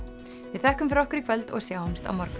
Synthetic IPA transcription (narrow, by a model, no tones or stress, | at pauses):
vɪðθɛhkʏmfɾɔhkʏɾikʰvœlt̪ɔ̰ɣsjaːwhɛmst̪a̰wmɔɾkʏ